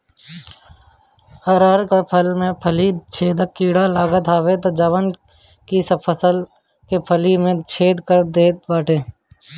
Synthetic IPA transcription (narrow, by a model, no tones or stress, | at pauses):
əːɾaːɾkapʰəlmẽpʰəlit͡ʃʰeːd̪əkːiːɽalaːɡət̪ʰaːʋet̪od͡ʒɐʋən | kisəpʰəsəl | kepʰəlimẽt͡ʃʰeːd̪kəɾd̪eːbaːʈẽː